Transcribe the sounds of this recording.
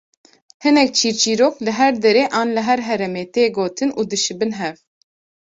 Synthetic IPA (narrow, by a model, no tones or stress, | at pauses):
hɨnɛk̚t͡ʃʰiːɾt͡ʃiːɾoːklɨɦɛɾd̪ɛɾeːʔaːnlɨɦɛɾɦɛɾɛmeːt̪eːɡoːt̪ʰɨnuːd̪ɨʃɨbɨnɦɛv